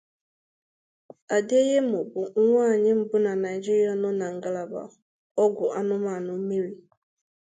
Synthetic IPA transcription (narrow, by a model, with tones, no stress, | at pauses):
a˨de˦je˦mʊ˨bʊ˨ŋ̩˦ŋʷa˦˨ɲɪ˦m̩˦bʊ˦na˨na˨jd͡ʒi˦ɾi˦a˨nɔ˦na˨ŋ̩˨ɡa˦la˨ba̰˨ | ɔ˦ɡʷʊ˨ʔa˦nʊ˦ma˨nʊ˨˦mi˦ɾi˦